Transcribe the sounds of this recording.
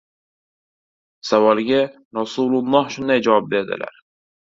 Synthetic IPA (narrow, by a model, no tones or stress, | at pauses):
savɒlˠɡʲa | ɾɒsulʊlˠːɒhʃʊnd̪ajd͡ʒavɒp̚be̞ɾd̪ɪ̰la̰ɾ